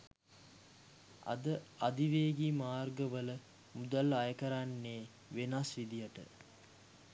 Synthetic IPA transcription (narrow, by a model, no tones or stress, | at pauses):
a̰d̪əad̪iʋeːɡimaːrɡəʋələ | mud̪alːajəkəɾanːeː | ʋenasʋid̪ijəʈə̰